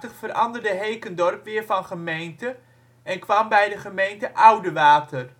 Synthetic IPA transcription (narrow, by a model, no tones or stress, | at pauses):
təχfəɾɑ̰ndərdəɦejkəndɔrpʋɪːɹvɑnχəmejntə | ɛnkʋɑmbɛjdəχəmejntəʔʌwdəʋaːtər